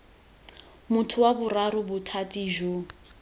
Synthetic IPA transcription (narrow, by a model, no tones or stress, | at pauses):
mʊtʰʊwabʊraɾʊbʊtʰatʼiʒo